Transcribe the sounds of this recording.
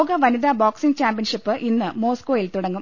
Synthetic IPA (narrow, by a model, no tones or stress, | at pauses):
ɡɐʋɐniðaːbaːksiŋɡt͡ɕaːmpiɐnʂipːɨʔinːɨmo̞ːskoːjilt̪uɽɐŋːum